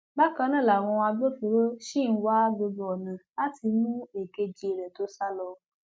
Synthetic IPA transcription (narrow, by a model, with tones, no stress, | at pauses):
ba˦kã˧˦nã˦˨la˨w̃ɔ̃˧a˧bo˦fe˨ɾo˦ʃi˦˨˦wa˦bo˧bɔ˨nã˨la˦ti˧mũ˦e˨ke˧d͡ʒi˧e˨ɾɛ̃˨to˦sa˦lɔ˧